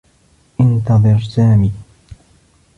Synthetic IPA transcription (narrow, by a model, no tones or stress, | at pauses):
ʔɪnt̪ɑðˤɨɾsaːmiː